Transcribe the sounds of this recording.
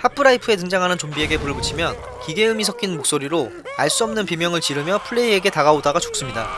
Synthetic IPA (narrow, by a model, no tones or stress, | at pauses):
hapʰɯɾaipʰɯe̞t̬ɯŋd͡ʑaŋɦanɯnt͡ɕombie̞ɡe̞puɭbɯt͡ɕʰimjʌn | kiɡe̞ɯmisʰʌkʰinmok̚s͈oɾiɾo | aɭs͈uʌmnɯnpimjʌŋɯɭt͡ɕiɾɯmjʌpʰɯɭːe̞ie̞ɡe̞taɡaodaɡat͡ɕok̚s͈ɯmɲida